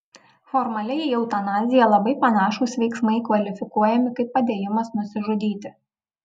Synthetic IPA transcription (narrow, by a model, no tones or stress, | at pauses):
fɔɾmɐlʲɛjjɛʊt̪ɐnɑːzʲɪjɛlˠɐbɐɪpɐnɑːʃuːsʋʲɛɪksmɐɪkʋɐlʲɪfʲɪkuɔjɛmʲɪkɐɪpːɐd̪ʲeːjɪmɐsnʊsʲɪʒʊd̪ʲiːt̪ʲɪ